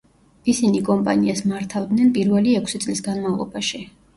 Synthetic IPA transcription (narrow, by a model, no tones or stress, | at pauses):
isinikʼɔmpʼa̰niasmaɾt̪ʰavd̪nɛnpʼiɾvɛliɛkʰsit̪sʼlisɡanmavlˠɔ̰baʃi